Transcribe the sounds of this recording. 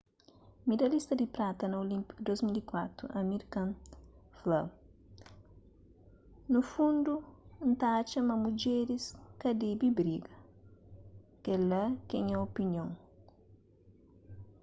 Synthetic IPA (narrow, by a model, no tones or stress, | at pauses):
mid̪ɐlist̪ɐd̪ipɾat̪ɐnɐolĩmpi̥kud̪ozmilikwat̪ɾṵʔɐmiɾkɐ̃nflɐw | nufũnd̪unt̪at͡ʃɐmɐmud͡ʒeɾiskɐd̪ibibɾiɡɐ | kelɐkẽɲɐopinjõŋ